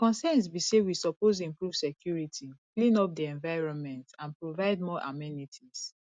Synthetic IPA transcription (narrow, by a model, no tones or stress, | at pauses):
kɔ̃nsɛ̃ns̬bisewisɔpoz̬ĩmpɹuv̥sɛkʰjuɹitʰiklĩnɔp̚diɛ̃ɱvaɪɹɔ̃nmɛ̃ntãnpɹovaɪd̚mɔʔa̰mɛnitʰis